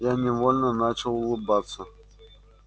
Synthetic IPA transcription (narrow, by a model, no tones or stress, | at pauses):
janʲɛvɔlʲnɐnat͡ʃɐwlˠɨbat̪sːɐ